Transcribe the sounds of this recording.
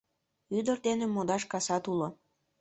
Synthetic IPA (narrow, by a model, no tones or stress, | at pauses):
yd̪ərd̪enemod̪ɑʃkɑsɑt̪ulo